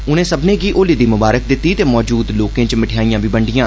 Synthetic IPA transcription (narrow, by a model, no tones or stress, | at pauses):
ʊnẽːsəbnẽːɡiːʔoːliːd̪iːmʊbaːɾək̚d̪ɪt̪ːiːt̪eːmɔːd͡ʒuːd̪loːkẽːt͡ʃmɪʈʰjaːiːjãːbiːbəɳɖɪjãː